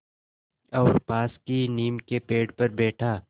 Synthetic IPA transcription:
ɔːɾpaːskiniːmkepeːɖpɐɾbɛːʈʰaː

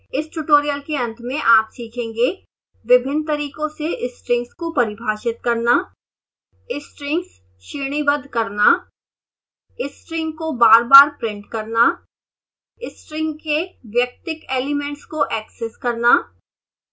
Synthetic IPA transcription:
ɪsʈuʈoːɾijəlkeɐ̃nt̪ʰmẽʔaːpsiːkʰẽːŋɡe | ʋɪbʱɪnt̪ɐɾiːkõseʔɪsʈɾɪ̃ŋɡskopɐɾɪbʱaːʃɪt̪̚kɐɾnaː | ɪsʈɾɪ̃ŋɡs | ʃiːɽ̃ibəd̪ʱkɐɾna | ɪsʈɾɪ̃ŋɡkobaːɾbaːɾpɾɪ̃ɳʈkɐɾna | ɪsʈɾɪ̃ŋɡkeʋjɐk̚t̪ɪkeːlɪmɛ̃ɳʈskoʔɛːkseskɐɾnaː

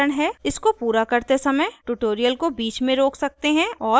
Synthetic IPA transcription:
əɽ̃ɦɛːɪskopuːɾakɐɾt̪esɐməjʈuʈoːɾijəlkobiːt͡ʃmẽɾoːksɐk̚t̪eɦɛ̃ɔː

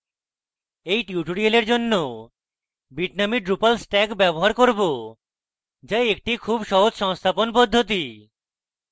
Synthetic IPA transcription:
ejʈiuʈoɽialeɾd͡ʑonːo | biʈnamiɖɾupalsʈɛɡbɛboɦaɾkoɾbo | d͡ʑajek̚ʈikʰubʃɔɦod͡ʑʃɔŋst̪ʰaponpod̪ʱːot̪̬i

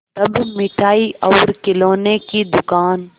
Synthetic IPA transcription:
t̪ɐbmɪʈʰaːiʔɔːɾkɪloːnekid̪ʊkaːn

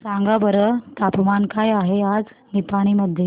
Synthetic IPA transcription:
saŋɡabəɾət̪apmankajaɦead͡znipaɽ̃iːməd̪ʱːje

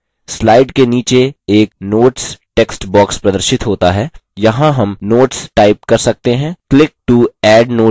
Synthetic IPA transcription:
slaːɪɖkeniːt͡ʃeeːknoːʈsʈeːksʈbɔːkspɾɐd̪əɾʃɪt̪ɦoːt̪aɦɛːjɐɦãɦɐmnoːʈsʈaːɪp̚kɐɾsɐk̚t̪eɦɛ̃ːklɪk̚ʈuɛːɖnoː

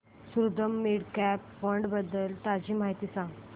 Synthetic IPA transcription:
suɾd̪əmːiɽkɛpːəɳɖbəd̪ːəlt̪ad͡ʑiːmaɦit̪iːsãŋɡ

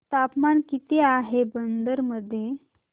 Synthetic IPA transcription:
t̪apmankit̪eaɦebənd̪əɾməd̪ʱːje

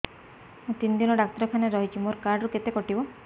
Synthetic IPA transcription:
mũt̪ind̪inɔɖak̚t̪ɾɔkʰaneɾɔɦit͡ʃʰimoɾkaɾɖɾuket̪ekɔʈibɔ

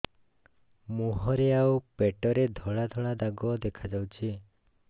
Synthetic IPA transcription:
muɦɔɾeawpeʈɔɾed̪ʱɔɭad̪ʱɔɭad̪aɡɔd̪ekʰad͡ʒawt͡ʃʰi

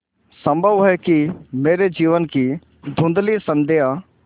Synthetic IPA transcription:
sɐ̃mbʱəʋɦɛkimeːɾed͡ʒiːʋənki | d̪ʱũːnd̪lisɐ̃nd̪eːɦa

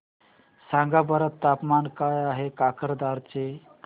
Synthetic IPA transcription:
sãŋɡabəɾət̪ːapmankajaɦekakəɾd̪aɾt͡ɕe

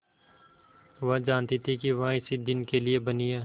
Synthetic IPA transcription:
ʋɐɦd͡ʒaːnt̪it̪ʰikiʋɐɦãɪsid̪ɪnkeliebɐnijeː

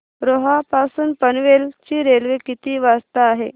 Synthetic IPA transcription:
ɾoɦapasuːnpənʋelt͡ɕiːɾelʋekit̪iːʋast̪aːɦe

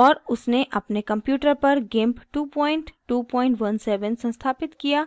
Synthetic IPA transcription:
ɔːɾʊsneʔɐpnekɐ̃mpjuːʈəɾpɐɾɡẽːmpʈuːpɔːɪ̃ɳʈʈuːpɔ̃ːɪ̃ɳʈʋɐnsɛːʋə̃nsɐ̃nst̪ʰaːpɪt̪kijaː

